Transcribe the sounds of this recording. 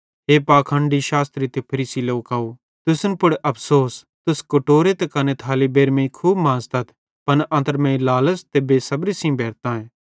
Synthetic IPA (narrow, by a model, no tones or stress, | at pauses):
ɦeːpaːkʰə̃ɳɖiʃaːst̪ɾit̪epʰɐɾiːsiloːkaːu | t̪ʊsnpʊɽʔɐpʰsoːs | t̪ʊskoʈoːɾet̪ekɐnet̪ʰaːlibeːɾmẽĩkʰuːbmãːzt̪ɐt̪ʰ | pɐnʔɐ̃nt̪əɾmẽːĩlaːləst̪ebeːsɐbɾisĩbɛːɾt̪ãːẽː